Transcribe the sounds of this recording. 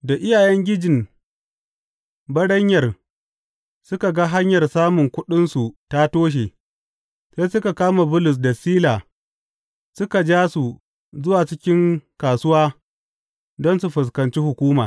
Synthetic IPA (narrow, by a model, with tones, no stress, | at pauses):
da˨ʔɪ˦jaː˨jɛ˦ŋɡʲɪ˦d͡ʒɪ˨m | bɐ˦ɽɐ˦ɲjɐ˨r | sʊ˦ka˨ɡa˦ɦa˦ɲjɐ˨rsaː˦mʊ˨ŋkʷʊ˦ɗɪ˦nsu˨ta˦toː˦ʃ̬eː˨ | se˦sʊ˦ka˨kaː˦ma˨bʊ˦lʊ˨s̬da˨siː˦laː˨ | sʊ˦ka˨d͡ʒaː˦su˨ | zʊ˦waː˨t͡ʃɪ˦kʲɪ˦ŋkaː˨sʊ˦waː˦ | dɔ˦nsu˨ɸʊ˨s̬kɐ˨nt͡ʃi˦hʊ˨kʷuː˦ma̰ː˨